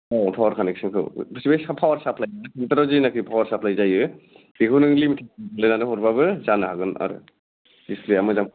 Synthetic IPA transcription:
ɔpʰawaɾkʰaneksɯnkʰɯ̰wbsibajsapʰawaɾsapʰlajasʰintaɾazinakʰɾipʰawaɾsapʰlajzajɯ | b̥ikʰɯnɯŋlimitʰabalejnanɯɦɔɾbabɯzanɯɦaɡɯna̰ɾɯ̰ | disliamɯzam

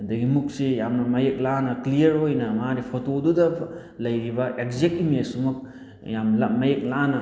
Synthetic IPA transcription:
dɐɡimuk̚sejamnɐmɐjek̚lanɐklijɐɾojnɐmaɾipʰotodudɐ | lɐjɾibɐʔek̚zek̚timesumɐk̚ | jamlamɐjek̚lanɐ

